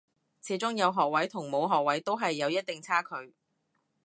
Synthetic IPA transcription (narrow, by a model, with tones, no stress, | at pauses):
t͡sʰiː˨˥t͡sʊ˥ŋjɐ˨˧wɦɔː˨k̚wɐ˨˥jt̪ʰʊ˨˩ŋmo˨˧wɦɔː˨k̚wɐ˨˥jt̪o˥wɦɐ˨jːɐ˨˧wjɐ˥t̚t̪ɪ˨ŋt͡sʰaː˥kʰɵ˨˧ɥ